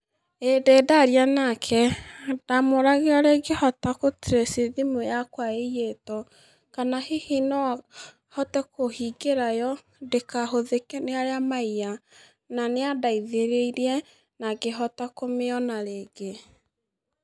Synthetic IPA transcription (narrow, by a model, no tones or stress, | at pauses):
edɛːdaɾianakʰɛd̥amoɾaɣeɔɾeɡehɔtakotiɾeseðimojakwaeijetɔ | kanahehinɔa | hɔtɛkohiɡeɾajɔ | dekaɦoðekɛneaɾeamaija | naneadaiðeɾeiɾiɛ | naɡeɦɔtakomeɔnaɾeːɡe